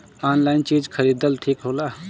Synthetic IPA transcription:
aːnlaːɪnt͡ʃiːd͡ʒkʰəɾiːd̪əlt̪ʰiːkɦoːlaː

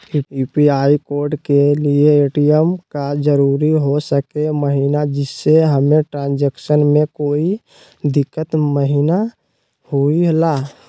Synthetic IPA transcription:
uupiaikoɾɖkelieːʈijəmkad͡ʒəɾuɾiɦosəkeməɦinad͡ʒɪsːeɦəmeʈɾãːnd͡ʒeksənmẽkoːi | d̪ɪkːət̪məɦina | huiɦla

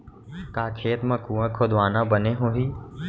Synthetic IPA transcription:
kaːkʰeːt̪məkuːãkʰod̪ʋaːnãbəneɦoːɦiː

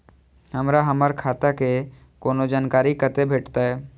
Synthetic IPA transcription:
hɐmɾaɦəməɾkʰaːt̪ake | koːnod͡ʒaːnkaːɾikət̪ebʱeːʈt̪aɦɛː

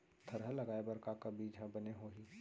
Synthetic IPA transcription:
t̪ʰəɾɦəlɐɡaːebɐɾkakabiːd͡ʒɦə̃bɐneɦoːɦiː

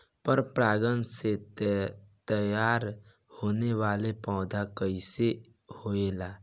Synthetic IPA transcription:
pəɾpɾaːɡənse | t̪əjaːɾ | hoːneʋaːlepãʊd̪ʱakəɪse | hoelaː

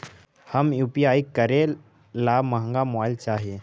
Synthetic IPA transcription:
həmjuːpijaːikəɾẽ | laːməɦə̃ŋɡamoɪlt͡ʃaːɦije

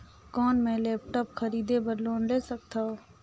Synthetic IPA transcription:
kɔːnmẽlɛːp̚ʈɔːpxʰəɾiːd̪ebəɾloːnleːsək̚t̪ʰaː

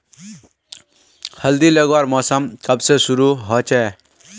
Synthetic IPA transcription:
həld̪ilʌɡwaɾmɔsamkʌbsesuɾuɦɔt͡ʃe

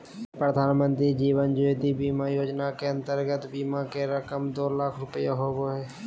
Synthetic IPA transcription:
pɾəd̪ʱaːnmə̃nt̪ɾid͡ʒiːʋənd͡ʒoet̪ibiːmajoːd͡ʒnakeə̃nt̪əɾɡət̪biːmakeɾəkəmd̪oːlaːkʰɾʊpəjaɦoːboɦɛː

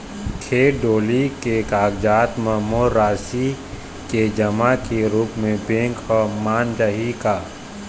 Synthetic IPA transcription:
kʰeːɖoːlikekaːɡd͡ʒaːt̪mɐɦmoːɾːaːsi | ked͡ʒɐmakeɾuːpmẽbẽːŋkɔmaːnd͡ʒəɦikaː

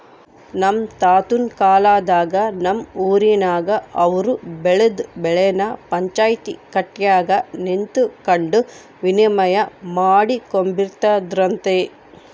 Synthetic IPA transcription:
nɐmt̪aːt̪unkaːlaːd̪aːɡɐnɐmuːɾinaːɡɐɐʋɐɾubɛɭud̪bɛɭɛjnɐpɐɲt͡ʃaːjt̪ḭkɐʈːjaːɡɐnint̪ukɐɳɖu | ʋinijɐmɐjɐmaːɽikombiɾt̪aːd̪ɾɐnt̪e

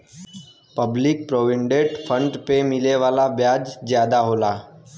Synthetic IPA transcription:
pɐblɪk̚pɾoːʋɪ̃ɳɖeːʈpʰə̃ɳɖpemɪleʋaːlabjaːd͡ʒzjaːd̪aɦoːlaː

